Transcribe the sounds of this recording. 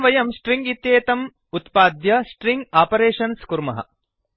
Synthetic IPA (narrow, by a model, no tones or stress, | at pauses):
ʋɐjɐmsʈɾiŋɡit̪jeːt̪ɐm | ut̪paːd̪jɐsʈɾiŋɡaːpɐɾeːʃɐnskuɾmɐ̰ɦɐ̰